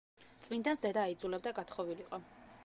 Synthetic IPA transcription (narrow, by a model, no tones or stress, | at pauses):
t̪sʼvind̪ansd̪ɛd̪aːid̪zulɛb̚d̪aɡat̪ʰχɔviliqʼɔ